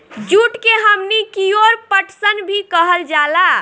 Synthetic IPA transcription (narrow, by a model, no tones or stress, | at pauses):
d͡ʒuʈkeɦəmnikioɾpəʈsənbʱikəɦəld͡ʒala